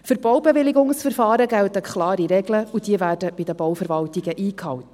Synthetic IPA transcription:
fʏɾbɔwbɛʋɪlɪɡʊŋsfəɾfɑːɾəɡæltəkχlɑːɾiɾɛɡləud̥iəvæːrdəb̥idəbɔwfəɾvɑltiɡəʔiːkhɑwt

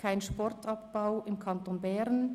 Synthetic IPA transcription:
kʰaɪnʃpɔɾtʰɑpb̥aʊɪmkʰɑntoːnbɛʁn

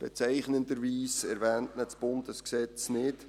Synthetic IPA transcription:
b̥ɛt͡sæɪχnəndəɾʋiːsɛɾvɛːntnət͡sb̥ʊndəsksɛt͡snɪt

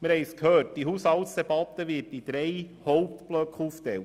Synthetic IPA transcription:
məɾhɛɪskʰhøːt̚d̥iɦushɑlt̪sd̥̪ɛbɑt̪əʋɪːtid̪̥ɾɛɪ | hɔʊp̚t̪b̥lœkχuftɛlt

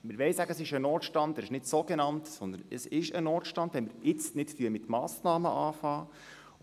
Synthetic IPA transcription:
mɪɾʋɛɪsæɡəəsɪʃənɔːtʃtɑnd̥̪ɛɾɪʃnɪtsoɡenɑntsɔnd̪ənəsɪʃənɔːtʃtɑnd̥̪ʋɛnmɪɾɪt͡stnɪtfyəəmɪt̪mɑːsnɑːməʔɑːfɑː

